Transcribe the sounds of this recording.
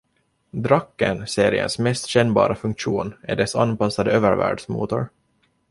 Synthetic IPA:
d̪ɾakːənseːɾɪə̰nsmɛst̪ɕɛnːbɑ̰ːɾafɵŋkʂuːnæ̰ɖɛsa̰npasːad̪əøːvəɾvæ̰ːɖʂmṵːt̪ʊɾ

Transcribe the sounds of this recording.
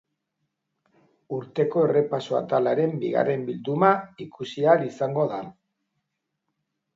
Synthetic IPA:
uɾt̪e̞ko̞e̞re̞pasoa̰t̪alaɾe̞mbiɣa̰re̞mbild̪umaikusialisaŋɡo̞ða

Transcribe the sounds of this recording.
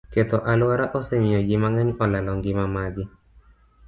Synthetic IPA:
ket̪ɔʔalwaɾaʔosɛmɪod͡ʒɪmaŋaɲɔlalɔŋɡɪmamaɡɪ

